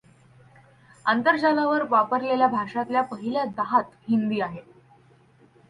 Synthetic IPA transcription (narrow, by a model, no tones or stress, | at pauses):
ant̪əɾd͡ʑalaʋəɾʋapəɾleljabʱaʂat̪ljapəɦiljad̪aɦat̪ɦind̪iːaɦe